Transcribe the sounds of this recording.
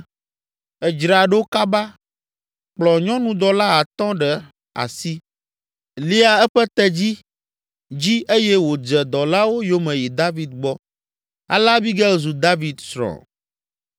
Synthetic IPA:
ɛ˨d͡ʒɾa˨ɖe˦wka˦ba˦ | k͡plɔ˨ɲɔ̃˦nũ˨d̪ɔ˨la˦a˨t̪ɔ̃˦ɖɛ˨ | a̰˨si˦ | li˦a˨ɛ˦ɸɛ˦t̪ɛ˦d͡ʑi˦ | d͡ʑi˦ʔe˦jɛ˦wo˨d͡ʒɛ˨d̪ɔ˨la˦wo˦jo˦mɛ̃˨ji˨d̪a˦vi˨d̪̚ɡ͡bɔ˦ | a̰˨la˦bi˦ɡɛ˦zu˨d̪a˦vi˨d̪sɾɔ̰˨

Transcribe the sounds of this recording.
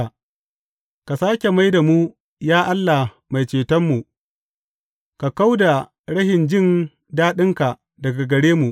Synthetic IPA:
ka˨saː˦kʲe˨ma˦jda˨mu˦ | jaː˦ʔa˦lːa˨ | ma˨jt͡ʃeː˨tɐ˦mːu˨ | ka˨ka˦wda˨ | ɽɐ˦hɪ˨nd͡ʒɪ˦˨n | daː˦ɗɪ˦ŋka˨ | dɐ˨ɡa˨ɡɐ˨ɽeː˦mu˨ʔ

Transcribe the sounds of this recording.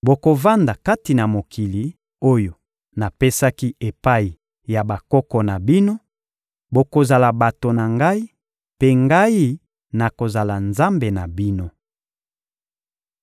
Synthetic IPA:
bo˨ko˨va˦nda˨ka˦ti˨na˨mo˨kʰi˨li˨ | o˦jo˨ | na˨pe˦sa˦ki˦ʔe˨pa˦i˨ | ja˨ba˨kɔ˦kɔ˨na˨bi˦no˦ | bo˨ko˨za˨la˨ba˨to˨na˨ŋɡa˦i˦ | pe˦ŋɡa˦i˦ | na˨ko˨za˨la˨nza˦mbe˨na˨bi˦no˦

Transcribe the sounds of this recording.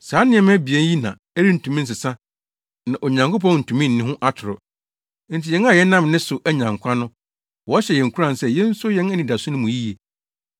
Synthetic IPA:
saː˨˦nɪ̃˦ɛ̃˨˦m˦ɛ˦bi˨e˦ji˦nã̰˨ | æ˦ɾi˦n̩˨tʰũ˨mĩ˦n̩˦s̬ɪ˨sã˦ | nã˨ʔo˨ɲã˨ŋko˦p̬ɔ̃˦n̩˨tʰũ˨mĩ˦n̩˨nɪ̃˦ɦʊ̃˦ʔa˦tʰʊ˨ɾɔ˨ | n̩˨tʰi˨jɛ˦na˦˨jɛ˦nã˦mnɪ̃˦sʊ˨ʔæ˦ɲã˨ŋ˨kʷʰã˦nʊ̃˦ | wɔ˨˦ɕɛ˨jɛ̃˨ŋ̩˨kʰu˦ɾã˨n˨sɛ˦jɛ̃˦n̩˦sʊ˦jɛ̃˦næ˦nĩ˨da˨sʊ˦nʊ̃˦mũ˨ji˦je˨

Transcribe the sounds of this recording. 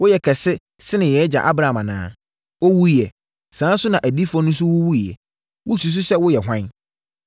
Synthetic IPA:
wʊ˦jɛ˨kʰɛ˨sɪ˦ | sɪ˦nɪ̃˨jɛː˨˦d͡ʑa̰˨ʔa˦bɾa˨mã˨nã̰ː˦ | wo˦wu˦i˨ɛ˨ | sãː˨˦n˦sʊ˦nã˨ʔæ˨di˦fɔ˦nʊ̃˦s̬ʊ˦wʊ˦wu˦i˨ɛ̰˨ | wʊ˦su˨s̬u˦sɛ˦wʊ˦jɛ˨ɦʷã˦n

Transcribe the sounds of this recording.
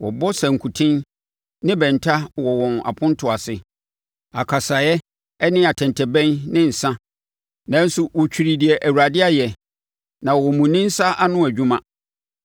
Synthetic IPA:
wɔ̰˨bɔ˦sã˨ŋ̩˨kʰu˨tʰɪ̃˦n | nɪ̃˦bɛ̃˨n˨tʰa˦wɔ˨wɔ̃˨na̰˨pʰʊ̃˦n˦tʰʊ˨a˨sɪ˨ | a˨kʰa˨sa˨jɛ˦ | ɛ˦nɪ̃˦a˨tʰɛ̃˨ntʰɛ˨bɛ̃˦nnɪ̃˦n̩˨sã˦ | nã˨˦n̩˦sʊ˨wɔ˨t͡ɕᶣi˨ɾi˨di˨ɛ˨ʔæ˨wu˨ɾa˨dɪ˦a˦jɛ˨ | nã˨wɔ˨mũ˨nɪ̃˦n̩˦sa˦ʔa˦nʊ̃˦æ˨d͡ʑᶣũ˦mã˦

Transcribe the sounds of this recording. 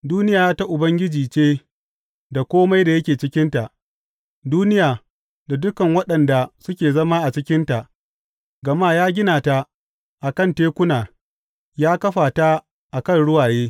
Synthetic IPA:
duː˦nɪ˦jaː˨jaː˦ta˦ʔʊ˨bɐ˦ŋɡʲɪ˦d͡ʒiː˨t͡ʃeː˦ | da˨kʷoː˦ma˦jda˨jɐ˦kʲeː˨t͡ʃɪ˦kʲɪ˦nta˨ʔ | duː˦nɪ˦jaː˨ | da˨dʊ˦kɐ˨ŋwɐ˦ɗɐ˨nda˨sʊ˦kʲeː˨zɐ˦maː˦ʔa˨t͡ʃɪ˦kʲɪ˦nta˨ʔ | ɡɐ˨maː˦jaː˦ɡʲɪ˦naː˨ta˨ | ʔa˨kɐ˦˨nteː˦kʷʊ˦naː˨ | jaː˦kɐ˦ɸaː˨ta˦ | ʔa˨kɐ˦˨nɽʊ˦waː˨jeː˦

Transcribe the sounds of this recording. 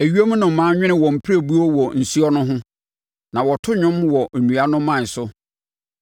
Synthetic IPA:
æ˨ɥi˦o˦mũ˦nʊ̃˨m̩˨mã˨˦ɲᶣɪ̃˦nɪ̃˦wɔ̃˨m̩˨pʰi˦ɾæ˦˨bu˦ɔ˦wɔ˨n̩˨su˦ɔ˦nʊ̃˦ɦʊ̃˦ | nã˨wɔ˨tʰʊ˦ɲᶣʊ̃˦mwɔ˨ʔnũ˨a˦nʊ̃˦mːã˦˨n̩˨sʊ˦

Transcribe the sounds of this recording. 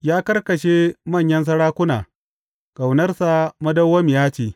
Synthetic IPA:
jaː˦kɐ˦rkɐ˨ʃeː˦mɐ˦˨ɲjɐ˦ns̬ɐ˦ɽaː˦kʷʊ˦naː˨ | ɡ̥a˨wnɐ˦rsa˨mɐ˦dɐ˦wːɐ˦m˨jaː˦t͡ʃeː˨

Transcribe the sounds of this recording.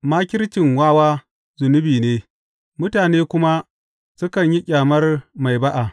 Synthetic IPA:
maː˦kʲɪ˦ɾt͡ʃɪ˨ŋwaː˦waː˦ | zʊ˨nʊ˦biː˨neː˦ | mʊ˦taː˨neː˦kʷʊ˦ma˦ | sʊ˦kɐ˨ɲji˦kʲʼaː˨mɐ˦rma˨jba˦ʔa˨

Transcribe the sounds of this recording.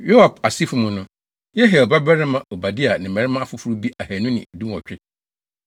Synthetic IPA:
jo˦a˨pa˨si˦fu˦mũ˨nʊ̃˦ | jɛ˦ɦɛ˨ɔ˨ba˦bɛ˦ɾɪ˦mã˨o˨ba˨di˦a˨nɪ̃˨mɛ̃˨ɾɪ˦mã˦a˦fʊ˦fʊ˦ɾu˦bi˦ʔa˨hɛ˨nʊ̃˦nɪ̰̃˨dũ˦m˨ɔ˨t͡ɕᶣɪ˦

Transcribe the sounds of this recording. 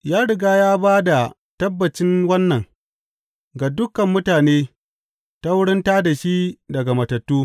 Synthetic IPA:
jaː˦ɽɪ˨ɡaː˦jaː˦baː˦da˨ | tɐ˦bːɐ˨t͡ʃɪ˦nwɐ˦nːɐ˨ŋ | ɡa˨dʊ˦kɐ˨mːʊ˦taː˨neː˦ | ta˦wʊ˦ɽɪ˦nta˦da˨ʃi˦dɐ˨ɡa˨mɐ˨tɐ˨tːuː˦

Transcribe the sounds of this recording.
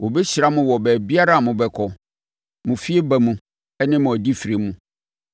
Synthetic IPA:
wo˨bɛ˦ɕɾa˦mʊ̃˦wɔ˨bæː˨bi˦a˦ɾa˦˨mʊ̃˨bɛ˨kʰɔ˨ | mʊ̃˨fi˦e˦bæ˨mũ˨ | ɛ˦nɪ̃˦mʊ̃˨ɔ˨di˦fi˨ɾe˨mũ˦

